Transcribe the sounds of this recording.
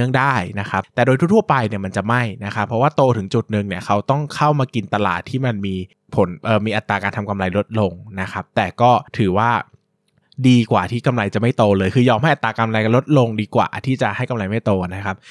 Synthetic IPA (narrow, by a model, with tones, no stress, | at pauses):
ɯ˥˩əŋdaː˥˩jna˦˥kʰa˦˥p̚t̪ɛː˨˩doː˧t̪ʰu˥˩t̪ʰu˥˩ɐpa˧jni˦˥ɐma˧nt͡ɕa˨˩ma˥˩jna˦˥kʰa˦˥pʰɾɔ˦˥waː˥˩t̪oː˧t̪ʰɯ˩˦ŋt͡ɕu˨˩t̪̚nɯ˨˧ŋni˥˩ɐkʰa˦˥wt̪ɔ˥˩ŋkʰa˥˩wmaː˧ki˧nt̪a˧la̰ː˨˩t̪ʰːiː˥˩ma˧nmiː˧ | pʰo˩˦nʔɤː˨˩miː˧ʔa˨˩t̪ːaː˧kaː˧nt̪ʰa˧mka˧mla˧jlo˦˥t̪̚lo˧ŋna˦˥kʰa˦˥p̚t̪ɛː˨˩kɔː˥˩t̪ʰɯː˩˦waː˥˩ | diː˧kwaː˨˩t̪ʰiː˥˩ka˧mla˧jt͡ɕa˨˩ma˥˩jt̪oː˧lɤː˧jkʰɯː˧jɔː˧mha˥˩jʔt̪ːaː˧ka˧mla˧jka˧nlo˦˥t̪̚lo˧ŋdiː˧kwa̰ː˨˩t̪ʰiː˥˩t͡ɕa˨˩ʔha˥˩jka˧mla˧jma˥˩jt̪oː˧na˦˥kʰa˦˥p̚